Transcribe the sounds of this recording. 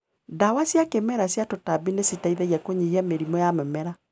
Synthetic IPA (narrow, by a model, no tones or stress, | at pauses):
dawasjakemɛɾasjatotabinesitaiðɛɣiakoɲihiameɾimɔjamɛmɛɾa